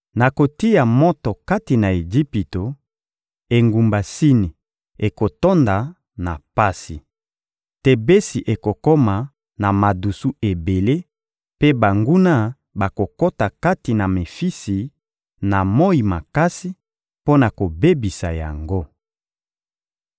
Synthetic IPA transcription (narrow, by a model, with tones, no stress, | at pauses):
na˨ko˨ti˦ja˨mɔ˦to˨ka˦ti˨na˨e˨d͡ʒi˦pi˨to˨ | e˨ŋɡu˨mba˨si˦ni˨ | e˨ko˨to˦nda˨ | na̰˨pa˦si˨ | te˨be˦si˨ʔe˨ko˨ko˦ma˨ | na˨ma˨du˨su˦e˨be˨le˦ | pe˦ba˨ŋɡu˦na˦ | ba˨ko˨ko˦ta˨ka˦ti˨na˨me˨fi˦si˨ | na˨mo˦i˨ma˨ka˦si˦ | po˦na˨ko˨be˦bi˨sa̰˨ja̰˨ŋɡo˦